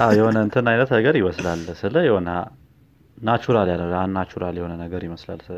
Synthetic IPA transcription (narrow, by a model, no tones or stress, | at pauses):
ʔawjɛho̞nəɨnt̪ʰɨnajnət̪nəɡəɾjɪməslalːsɨləjɛho̞na | nat͡ʃuɾaljalːəwanːat͡ʃuɾaljɛhonənəɡəɾjɪməsla̰lːsɨ